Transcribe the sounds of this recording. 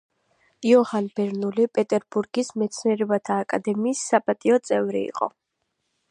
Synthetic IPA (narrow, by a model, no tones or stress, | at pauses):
iɔhanbɛɾnulipʼɛt̪ʼɛɾbuɾɡismɛt̪sʰniɛɾɛbat̪ʰaːkʼad̪ɛmiːsːapʼat̪ʼiɔt̪sʼɛvɾḭḭqʼɔ̰